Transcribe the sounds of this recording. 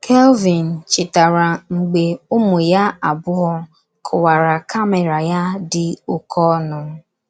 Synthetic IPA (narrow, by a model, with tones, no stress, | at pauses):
kʰɛ˦lvi˨n̩˨t͡ʃɪ˨ta˨ɾa˨ŋ͡m̩˨ɡ͡be˨ʊ˦mʊ˨ja˦a˨bʊ˦ɦɔ˦ | kʰʊ˨wa˨ɾa˨kʰa˦me˨ɾa˨ja˦dɪ˨ʊ˨kʰɔ˦nʊ˨˦